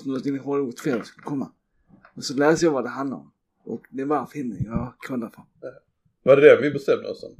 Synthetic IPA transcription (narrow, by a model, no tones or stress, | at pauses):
not̪ɪŋnːɪhɔɾot̪ʰfeːd̪ɔskɵlːəkʰɔmːa̰ | mɛnsɔlɛæːsəjɑːvad̪ɛɦand̪la̰ɾɔ̰m | ʔɔ̰kd̪ɛbɑːɾafɾhɛnːə̰jɑkʰɔlːafɔ | vaɾɛɖɛvɪbɛst̪ɛmd̪ə̰ɔ̰sɔ̰n